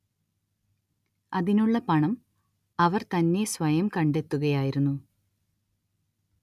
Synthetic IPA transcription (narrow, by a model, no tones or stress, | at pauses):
ɐðinuɭːɐpɐɳɐm | ɐʋɐrt̪ɐnːe̞sʋɐjɐmkɐɳɖe̞t̪ːuɣɐjaːjiɾunːu